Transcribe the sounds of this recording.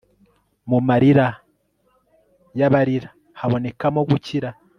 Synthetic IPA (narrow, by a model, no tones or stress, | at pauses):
mumaɾiɾa | jaβaɾiɾa | haβo̞ne̞kamo̞ɡuciɾa